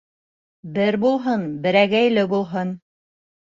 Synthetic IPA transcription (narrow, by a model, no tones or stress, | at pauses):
bɘɾbulˠɦɤnbɘ̆ɾæɡæjlɘbulˠɦɤn